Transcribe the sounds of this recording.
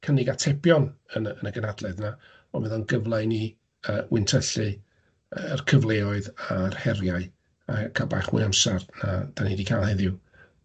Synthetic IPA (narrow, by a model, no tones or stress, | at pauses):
kʰənɪɡatʰɛpʰjɔnənənəɡənadlˠɛðna | ɔmɪnðɔnɡəvlˠaɨni | əwʔɪntʰəɬɨ | əərkʰəvlˠeːɔɨðarhɛrjaɨ | akʰaba̰χwɪ̰amsarnad̥anidikʰalˠhɛðɪw